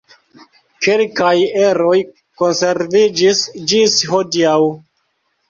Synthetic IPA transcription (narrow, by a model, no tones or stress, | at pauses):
kelkajeɾo̞j | ko̞nse̞ɾvid͡ʒisd͡ʒisho̞diaw